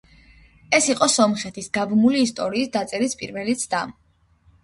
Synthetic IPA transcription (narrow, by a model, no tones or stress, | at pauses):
ɛsiqʼɔsɔmχɛt̪ʰisɡabmuliːst̪ʼɔɾiːsd̪at̪sʼɛɾispʼḭɾvɛlit̪sʰd̪am